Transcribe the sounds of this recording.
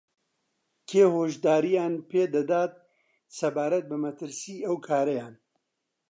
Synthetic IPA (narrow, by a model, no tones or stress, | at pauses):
kʰeːhoːʒd̪aːɾijaːnpʰeːd̪ɐd̪aːt̪̚ | sɐbaːɾɐt̪̚bɨmɐt̪ɨɾsiːɐwkʰaːɾɐjaːn